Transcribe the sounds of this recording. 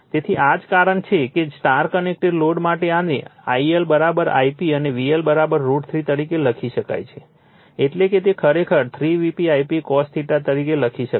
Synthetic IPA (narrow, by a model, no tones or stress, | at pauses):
t̪et̪ʰiʔad͡ʒkaɾəɳt͡ʃʰekesʈaɾkənek̚ʈeɖloɽmaʈeanea̰ielbəɾabəɾa̰ipiəneʋielbəɾabəɾːuɖt̪ʰɾit̪əɾikeləkʰiʃəka̰jt͡ʃʰe | eʈleket̪ekʰəɾekʰəɾt̪ʰɾiʋipiajpikɔst̪ʰiʈat̪əɾikeləkʰiʃə